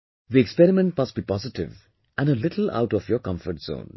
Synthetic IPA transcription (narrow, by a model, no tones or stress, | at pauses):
ðiɛkspɛɾɪmɛ̃nʈmʌsʈ̚b̥iːpɔzɪʈɪ̰ʋ | ʔæ̃nɖəlɪʈʰl̩a̰ʊʈɔfjɔkʌ̃ɱfəɾʈz̥õ̰ːn